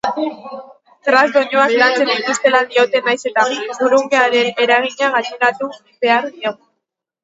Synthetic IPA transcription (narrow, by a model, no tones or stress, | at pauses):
t̪ɾazd̪oɲuaklant͡se̞nd̪it̪ust̪e̞lad̪io̞t̪e̞najse̞t̪aɡuɾuŋɡeaɾe̞ne̞ɾaɣ̞iɲaɣasinat̪uibe̞aɾðioɣu